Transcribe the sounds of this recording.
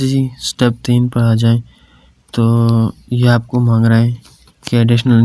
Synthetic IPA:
ed͡ʒisʈɛːp̚t̪iːnpɐɽad͡ʒaːẽ | t̪oːjeaːp̚komãːŋɡɾaẽ | keɛɖɪʃnəl

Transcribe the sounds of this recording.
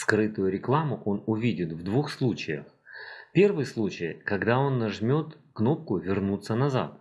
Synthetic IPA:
skɾɨt̪ʊjʊɾʲɪklˠamʊʔo̞nʊvʲidʲɪt̪vd̪vuxslˠut͡ɕɪjə̰xpʲe̞rvɨjslˠut͡ɕɪjkɐɡd̪ao̞nːɐʐmʲo̞t̪kno̞p̚kʊvʲɪrnut̪sːənɐza̰t̪̚

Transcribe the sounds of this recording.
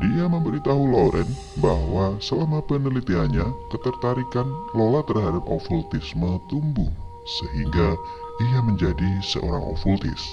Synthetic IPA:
diaməmbəɾit̪aɦuloɾʔɛn | bahwasəlamapənəlit̪iaɲakət̪ərt̪aɾikanlolat̪ərɦadap̚o̰fult̪ɪsmət̪umbʊŋ | səɦiŋɡa | iaməɲd͡ʒadisə̰ʔo̰ɾa̰ŋo̰fult̪ɪ̰s

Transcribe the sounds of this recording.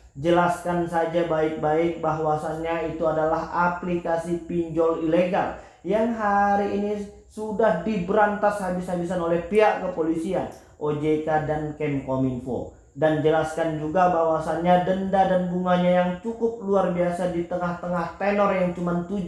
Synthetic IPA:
d͡ʒəlaskansad͡ʒabaɪk̚baɪk̚baɦwasanɲait̪uadalaɦaplikasipiɲd͡ʒɔlileɡa̰l | jaŋɦaɾiːni | sudahdibəɾant̪ashabishabisanolɛhpiaʔkəpolisian | ʔod͡ʒekadankɛnkominpo̰ | dand͡ʒəlaskand͡ʒuɡabaɦwasanɲadəndadanbuŋaɲajaŋt͡ʃukʊp̚luarbiasadit̪əŋaht̪əŋaht̪enɔrjaŋt͡ʃumant̪ud͡ʒ

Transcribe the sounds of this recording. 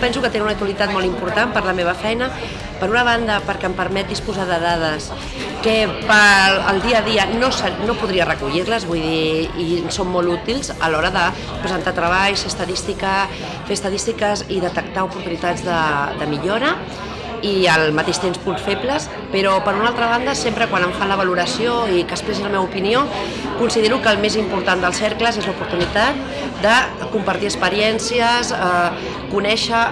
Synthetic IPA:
pɛnsukət̪enunək̚t̪waəlit̪at̪̚mɔlt̪impuɾt̪ampəɾləmeβ̞ɐfɛjnə | pəɾunəβ̞and̪əpəɾkɛəmpəɾmɛt̪̚ːispuzaðəðað̞əs | kəpəə̰lˠd̪iəðiənosənopuðɾiərəkuʎiɾləzβujðiː | somːolut̪ilzə̰lɔɾəðə | pɾəzənt̪at̪ɾəβajseəst̪əðist̪ikə | feəst̪əðist̪ikəziðət̪ək̚t̪aupuɾt̪unit̪ad͡zðəd̪əmiʎoɾə | iəlmət̪eʃt̪emspunsfepləs | pəɾɔpəɾunalˠt̪ɾəβ̞and̪əsempɾəkwanəɱfanləβəluɾəsioikəspɾɛsiləmeβupinio | kunsiðeɾukəːlˠmezimpuɾt̪and̪əlˠsɛɾkləzezlupuɾt̪unit̪at̪̚ | d̪ə | kumpəɾt̪iəspəɾjɛnsiəza | kunɛʃə

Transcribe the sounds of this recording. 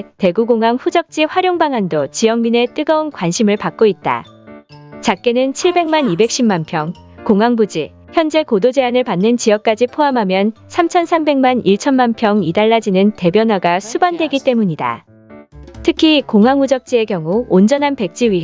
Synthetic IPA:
te̞ɡuɡoŋɦaŋɸud͡ʑʌk̚t͡ɕ͈iɸwaɾjoŋbaŋandot͡ɕijʌŋmine̞t͈ɯɡʌonkwanɕʰimɯɭpak̚k͈oit̚t͈a̰ | t͡ɕak̚k͈enɯnt͡ɕʰiɭbe̞ŋmanibe̞k̚ɕ͈ʰimanpʰjʌŋ | koŋɦaŋbud͡ʑḭ | çjʌnd͡ʑe̞kodod͡ʑe̞anɯɭpanːɯnt͡ɕijʌk̚k͈ad͡ʑipʰoamɦamjʌnsʰamt͡ɕʰʌnsʰambe̞ŋmaniɭt͡ɕʰʌnmanpʰjʌŋidaɭːad͡ʑinɯnte̞bjʌnwaɡasʰubandwe̞ɡit͈e̞muɲida̰ | tʰɯkʰikoŋɦaŋud͡ʑʌk̚t͡ɕ͈ie̞kjʌŋuond͡ʑʌnɦanpe̞k̚t͡ɕ͈iɥi

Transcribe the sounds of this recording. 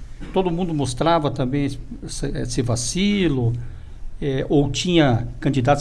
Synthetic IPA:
t̪od̪ʊmũnd̪ʊmost̪ɾavɐt̪ɐ̃mbẽj̃sɛsɪvasilʊ | ɛʔowt͡ʃĩɲɐkɐ̃nt͡ʃid̪ad̪ɪ

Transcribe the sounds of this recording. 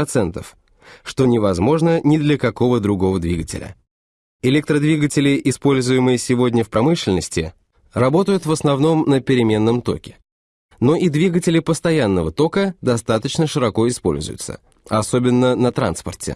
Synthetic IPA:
ɐt̪sɛnt̪ə̰f | ʂt̪o̞nʲɪvɐzmo̞ʐnənʲɪd̪lʲəkɐko̞vəd̪ɾʊɡo̞vəd̪vʲiɡətʲɪ̰lʲə̰ | ɪlʲɛk̚t̪ɾəd̪vʲiɡətʲɪlʲɪʔɪspo̞lʲzʊjɪmɨjɪsʲɪvo̞dʲnʲəfpɾɐmɨʂlʲɪnəsʲtʲɪ̰ | rɐbo̞t̪əjʊt̪vəsnɐvno̞mnəpʲɪɾʲɪmʲe̞nːəmt̪o̞̰kʲɪ̥ | no̞ʔid̪vʲiɡətʲɪlʲɪpəst̪ɐjanːəvət̪o̞kəd̪ɐst̪at̪ət͡ɕnəʂɨɾɐko̞ɪspo̞̰lʲzʊ̰jʊ̰t̪sə̰ | ɐso̞bʲɪnːənət̪ɾa̰nspərtʲɪ̰

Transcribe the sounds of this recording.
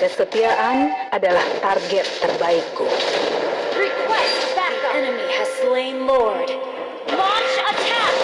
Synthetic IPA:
kəsət̪iaʔanadalaht̪arɡɛt̪ːərbaɪkːu | ɹikʰwɛstbækkɛnɨmihɨz̥slẽɪ̃nlɔɹd | lɑ̃nt͡ʃətʰæ

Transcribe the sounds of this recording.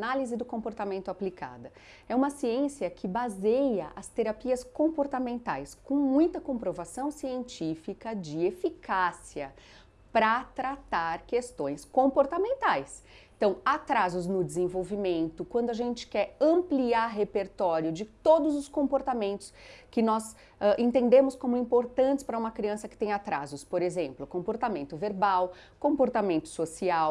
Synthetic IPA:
nalizɪd̪ʊkõpoɾt̪amẽnt̪ʊaplika̰d̪ɐ | ɛũmɐsiẽsiɐkʰɪbazejɐʔɐst̪eɾapiɐskõpoɾt̪amẽnt̪ajskõw̃mũj̃t̪ɐkõpɾovasɐ̃w̃siẽnt͡ʃifikɐd͡ʒɪefikasiɐ | pɾɐt̪ɾat̪aɾkest̪õj̃skõpoɾt̪amẽnt̪ajs | ẽt̪ɐ̃w̃at̪ɾazʊznʊd͡ʒɪzẽvowvimẽnt̪ʊkwɐ̃nd̪ʊaʒẽnt͡ʃɪ̥kɛɾɐ̃mpliaɾɦepeɾt̪ɔɾjʊd͡ʒɪt̪od̪ʊzʊskõpoɾt̪amẽnt̪ʊ̥skɪnɔz | ɛʔẽt̪ẽnd̪ẽmʊskõmʊɛĩpoɾt̪ɐ̃nt͡ʃɪspɾɐũmɐkɾiɐ̃sɐkɪ̥t̪ẽj̃at̪ɾazʊspoɾezẽmplʊkõpoɾt̪amẽnt̪ʊveɾbaw | kõpoɾt̪amẽnt̪ʊ̥sosiaw

